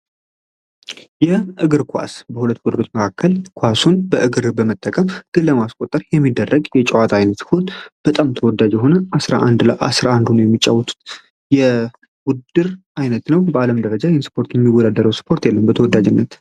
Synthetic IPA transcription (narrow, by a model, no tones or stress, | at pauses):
jɛʔɨɡɨɾkʰʷa̰sbəhulət̪ːɡɔd̪əɾot͡ʃːməkʰakːəlkʰʷwasunbəʔɨɡɨɾbəmət̪ʼːəkʼəmɡ̥ɨlːəmaskʼot̪ʼːəɾjɛmːid̪ːərːəɡjɛt͡ʃʼəwat̪ʰajnət̪ʰot̪b̥ət̪ʼamt̪ʰəwɔd̪ːad͡ʒjɛɦo̞nəʔasɾa̰ʔand̪ləʔa̰sɾaʔand̪unəwjɛmːit͡ʃʼːawːɔt̪ʰu̥t̪ | jɛ | ɡud̪ɨɾ | ajnət̪nəwbəaləmd̪əɾəd͡ʒajɛnsɨ̥pʰo̞ɾt̪jɛmːiwɔd̪ad̪əɾəwsɨ̥pʰo̞ɾt̪jɛlːəmbət̪ʰəwɔd̪ad͡ʒɪnːət̪